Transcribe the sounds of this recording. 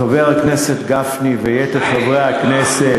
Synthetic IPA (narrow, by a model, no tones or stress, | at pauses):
aveʁakneset̪ɡafnivejet̪etχavʁeaknese